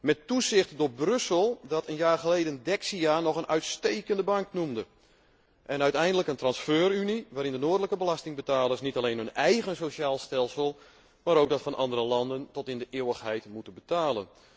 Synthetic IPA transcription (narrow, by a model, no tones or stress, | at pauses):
mɛtːusɪxtdoːbrɵsəlˠdɔtʰənjaːxəlejdəndɛksianɔχənʔœɥtstejkəndəbɑŋknumdə | ʔɛnœɥtɛjndələkəntrɑnsføːryniʋaːɾɪndənoːdələkəbəlastɪŋbətaːlˠəsnitalejnønɛjɣənsoʃaːlˠstɛlˠsəlˠ | maːɾowk̚dɔtfɑnʔɑndərəlɑndəntɔtɪndəʔɪːwəxɦɛjtmutəbətaːlˠən